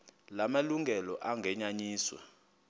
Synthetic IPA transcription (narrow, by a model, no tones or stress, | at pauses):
lamaluŋɡʱɛlɔʔaŋɡʱɛɲaɲiːswa̰